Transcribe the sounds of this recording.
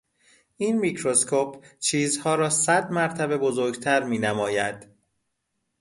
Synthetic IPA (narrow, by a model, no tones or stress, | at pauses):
ʔiːnmicʰɾo̞skʰoːpʰt͡ʃʰiːzhɒːɾɒːsæd̪mæɾt̪ʰæbe̞bo̞zoɾɡt̪ʰæɾmiːnæmɒːjæd̪̥